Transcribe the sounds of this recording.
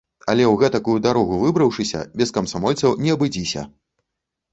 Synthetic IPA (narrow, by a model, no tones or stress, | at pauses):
ɐlʲɛwɣɛt̪ɐkujud̪aɾɔɣuvɨbɾɐwʂɨsʲɐ̰bʲɛskɐmsamɔlʲt̪sɐwnʲɛɐbɨd͡zʲisʲɐ̰